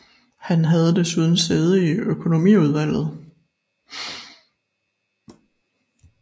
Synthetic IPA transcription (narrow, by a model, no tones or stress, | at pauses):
hænɦæð̞ˠəd̥esuð̞ˠn̩seð̞̩ˠəiøkʰo̝no̝mḭuð̞ˠʋæl̰ð̞̩ˠ